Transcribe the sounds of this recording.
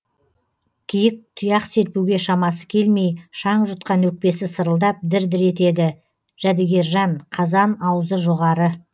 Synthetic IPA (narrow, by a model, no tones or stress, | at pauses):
kʲʰijɪk̚t̪ʰʊjɑqse̞ɾpuwɡʲe̞ʃɑmɑsə̥kʲʰe̞lme̞jʃɑɴʒət̪qɑnwɵk̚pe̞sɪsəɾəlˠd̪ɑp̚d̪ɪɾd̪ɪɾe̞t̪e̞d̪ɪ | ʒ̥æd̪eɡʲe̞ɾʒɑɴqʰɑzɑnɑwəzəʒoʁɑɾə